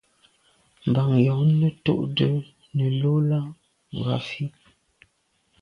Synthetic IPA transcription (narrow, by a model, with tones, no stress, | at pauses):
m˨ba˨ŋjɔ˨ŋ˦nə˦to̰˦˨ʔdə˦ | nə˨lo˦la˦ | ŋ˨ɡa̰˨fi˦